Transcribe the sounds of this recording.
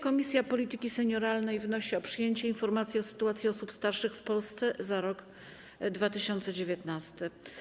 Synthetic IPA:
kɔmʲisʲjapɔlʲit̪ɘkʲisɛɲɔɾalnɛjvnɔɕiɔpʂɘjeɲt͡ɕɛinfɔɾmat̪sʲjiɔsɘ̥t̪uat̪sʲjiɔsupst̪aɾʂɘxfpɔlst̪sɛzaɾɔɡ | d̪vat̪ɘɕɔnt̪sɛd͡ʑevʲjɛt̪nast̪ɘ

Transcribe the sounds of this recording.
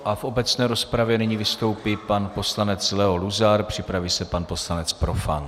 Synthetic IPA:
ʔafʔo̞bɛt͡snɛːɾo̞spɾavjɛnɛɲivɪst̪o̞wpɪpanpo̞slanɛt͡slɛɦo̞luzaɾpr̝̥ɪpɾaviːsɛpanpo̞slanɛt͡spɾo̞fa̰n

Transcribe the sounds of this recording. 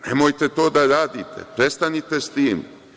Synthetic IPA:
nemojt̪et̪o̞ːd̪aɾaːd̪ḭt̪ʰḛpɾe̞st̪anit̪e̞st̪iːm

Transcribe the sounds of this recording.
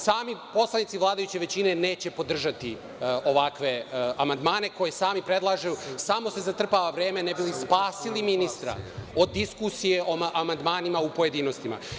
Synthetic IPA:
saːmipo̞slˠanit̪siʋlˠaːd̪ajut͡ɕe̞ʋe̞t͡ɕine̞ne̞ːt͡ɕe̞po̞d̪r̩ʒat̪i | o̞ʋakʋe̞amand̪maːne̞ko̞jesaːmipɾe̞d̪lˠaːʒajusaːmo̞se̞zat̪r̩paʋaʋɾeːmenebilispaːsiliminist̪ɾa̰o̞d̪ːiskusije̞ʔoʔamand̪maːnimaupo̞je̞d̪iːno̞st̪ima̰

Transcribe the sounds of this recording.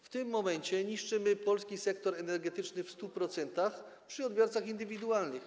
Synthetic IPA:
ft̪ɘmːɔmɛɲt͡ɕɛɲiʂt͡ʂɘmɘpɔlskʲisɛkt̪ɔɾɛnɛɾɡɛt̪ɘt͡ʂnɘfst̪upɾɔt̪sɛnt̪axpʂɘɔd̪bʲjɔɾt̪saxind̪ɘvʲid̪ualnɘx

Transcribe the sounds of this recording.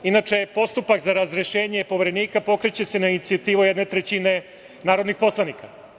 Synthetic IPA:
inat͡ʂe̞po̞st̪upakzaɾazɾeʃe̞ːɲe̞po̞ʋeɾe̞niːkapo̞kɾet͡ɕe̞se̞nainit̪siat̪iːʋujed̪ne̞t̪ɾet͡ɕine̞ | naːɾod̪nixpo̞slˠanika

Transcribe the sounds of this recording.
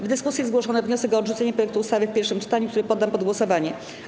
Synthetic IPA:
vd̪ɘskusʲjizɡwɔʂɔnɛvɲɔsɛkɔːdʐut̪sɛɲɛpɾɔjɛk̚t̪uːst̪avʲɘfpʲɛɾfʂɘmt͡ʂɘ̥t̪aɲukt̪uɾɘpɔd̪ːampɔd̪ɡwɔsɔvaɲɛ

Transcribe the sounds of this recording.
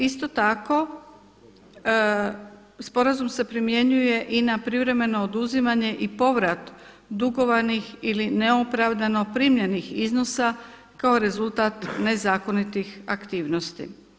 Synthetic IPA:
ist̪o̞t̪ako̞ | spo̞ɾazumse̞pɾimje̞ɲuje̞ʔinapɾiʋɾe̞me̞no̞ːd̪uzimaɲe̞ʔipo̞ʋɾat̪ | d̪uɡo̞ʋanixilineo̞pɾaʋd̪ano̞pɾiːmʎenixizno̞sa | kao̞ɾe̞zult̪at̪ne̞zaːko̞nit̪ixa̰kt̪iːʋno̞st̪ḭ

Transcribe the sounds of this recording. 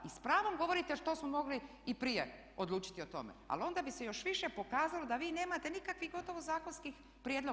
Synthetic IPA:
ispɾaːʋo̞mɡo̞ʋo̞ɾit̪e̞ʃt̪o̞smomo̞ɡli | ipɾije | od̪luːt͡ʃi̥t̪io̞t̪o̞̰mḛa̰lo̞nd̪abise̞jo̞ʃʋiʃepo̞kaːzalo̞d̪aʋiːne̞ːmat̪e̞nikakʋixɡo̞t̪o̞ʋozaːkonskix | pɾjed̪lo

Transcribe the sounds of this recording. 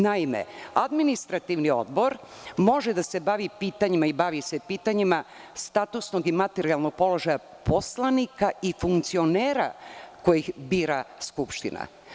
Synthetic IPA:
naimḛad̪minist̪ɾat̪iʋnio̞̰d̪bo̞ɾ | mo̞ʒed̪ase̞baʋipiːt̪aɲimaibaʋisepiːt̪aɲimast̪aːt̪usno̞ɡimat̪eɾialˠno̞ɡ̚po̞lo̞ʒaja | po̞slˠanikaifuŋkt̪sio̞neːɾa̰ko̞jixbiːɾaskupʃt̪ḭna̰

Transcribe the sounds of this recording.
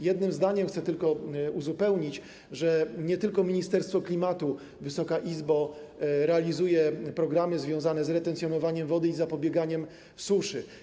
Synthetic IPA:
jɛd̪nɘmzd̪aɲɛmxt̪sɛt̪ɘlkɔuzupɛwɲit͡ɕ | ʐɛɲɛt̪ɘlkɔmʲiɲist̪ɛɾst̪fɔklʲimat̪u | vɘsɔkaʔizbɔɾɛalʲizujɛpɾɔɡɾamɘzvʲjɔ̃w̃zanɛzɾɛt̪ɛnsʲjɔnɔvaɲɛmvɔd̪ɘizapɔbʲjɛɡaɲɛm | suʂɘ

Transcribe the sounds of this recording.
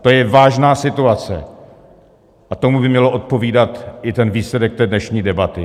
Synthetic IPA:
t̪o̞jɛvaːʒnaːsɪt̪uat͡sɛ̰ | ʔat̪o̞mubɪmɲɛloʔo̞t̪̚po̞viːdat̪ʔɪt̪ɛnviːslɛdɛk̚t̪ɛːdnɛʃɲiːdɛbat̪ɪ

